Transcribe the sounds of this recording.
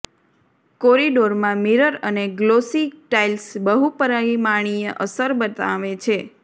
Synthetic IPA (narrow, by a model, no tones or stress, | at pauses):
koɾiɖoɾmãmiɾəɾəneɡlosiʈailsbəɦupəɾaimaɽ̃iəʔəsəɾbət̪a̰ʋet͡ʃʰe